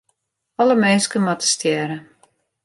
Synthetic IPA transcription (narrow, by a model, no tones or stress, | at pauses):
ɔləmɛnskəmatə̥stjɛːɾə